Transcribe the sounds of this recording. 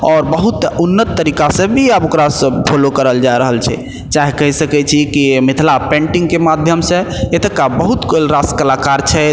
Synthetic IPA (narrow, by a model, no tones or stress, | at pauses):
ɔːɾbəɦut̪unːət̪ːəɾikasẽbʱiəbokɾasəpʰolokəɾəld͡ʒaɾəɦəlt͡ʃʰɛ̰ | t͡ʃaɦekəɦisəkɛt͡ʃʰikimit̪ʰlapẽɳʈiŋɡkemad̪ʱjəmsẽet̪əkabəɦut̪kolɾaskəlakaɾt͡ʃʰɛ